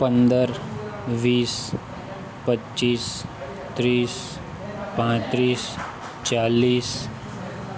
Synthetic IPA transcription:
pənd̪əɾʋiːs | pətːt͡ʃiːs | t̪ɾiːs | pãt̪ɾiːs | t͡ʃaːliːs

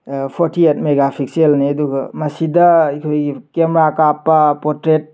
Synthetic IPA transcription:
pʰɔɾtʰiet̚meɡapʰik̚selniɐduɡɐ̰mɐsidɐikʰojɡikemɾakapːapɔɾtɾet̚

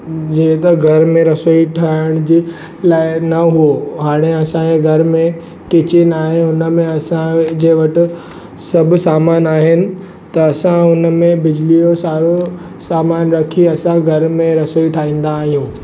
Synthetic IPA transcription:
d͡ʑẽːt̪ɐɡʱɐɾmẽɾɐsoːiʈʰaːɪɽ̃d͡ʑeː | laːɪnɐɦuoɦaːɽ̃eɐsãeɡʱɐɾmẽ | kɪt͡ɕɪnaːɦeʊnəmẽɐsãd͡ʑeːɪ̃ʋɐʈɪ̆ | sɐbʱsaːmaːnaːɦɪnɪ̆ | t̪ɐːsãʊnə̆mẽbɪd͡ʑlijosaːɾo | saːmaːnɾɐkʰiɐsãɡʱɐɾmẽɾɐsoːiʈʰaːɦĩːn̆d̪aːɦijũː

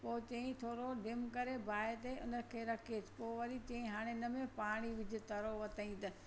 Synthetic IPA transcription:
poːt͡ɕɐ̃ĩt̪ʰoːɾoɖɪmkɐɾebʱaːet̪eʔʊ̰nəkʰeːɾɐkʰet̪ʰpoːʋɐɾit͡ɕɐ̃ĩɦaːɽ̃eɪnəmẽpaːɽ̃iʋɪd͡ʑʱɪ̆t̪ɐɾoʋɐt̪ʰaĩt̪ɐ

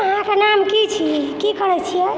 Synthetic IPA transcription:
əɦãkenamkit͡ʃʰikikəɾɛt͡ʃʰijɛ

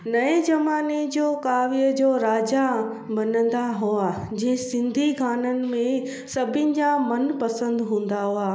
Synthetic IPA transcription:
nɐẽd͡ʑɐmaːnid͡ʑoːkaːʋiəd͡ʑoːɾaːd͡ʑa | bɐnə̃nd̪aɦua | d͡ʑĩɦɪ̃sɪ̃nd̪ʱiɡʱaːnənɪ̆mẽ | sɐbʱɪnɪ̆d͡ʑamɐnpɐsə̃nd̪ɦũːnd̪aɦʊaː

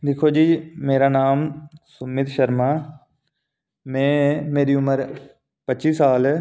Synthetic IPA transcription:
d̪ɪkʰoːd͡ʒiːmeːɾaːnaːmsʊmɪt̪ʃəɾmaː | mɛ̃ːmeːɾiːʊməɾ | pətːt͡ʃiːsaːlɛː

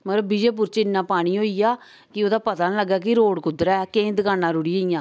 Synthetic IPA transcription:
mət̪ləbiːd͡ʒeːp̬ʊɾt͡ʃɪnːãːpaːɽ̃iːɦoːiːaː | kɪoːd̪aːpət̪aːnləɡaːk̬ɪɾoːɽkʊd̪ɾɛːkẽːd̪əkaːnːaːɾʊɽiːaːiːãː

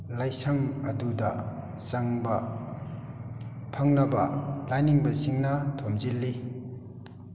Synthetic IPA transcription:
lajsaŋɐduda | saŋbɐ | pʰaŋnɐbɐlajniŋbɐsiŋnɐtʰomzilːi

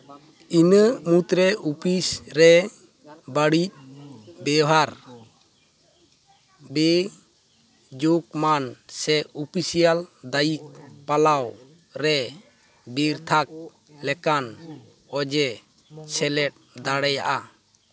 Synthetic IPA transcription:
inəmut̪ɾɛupisɾɛ | baɽic̚bɛɦaɾ | bɛ | d͡ʒok̚mansɛupisijald̪ajik̚palaw | ɾɛ | biɾt̪ʰak̚ | lɛkan | ɔd͡ʒɛ | t͡ʃʰɛlɛʈ̚d̪aɽɛja̰ʔa

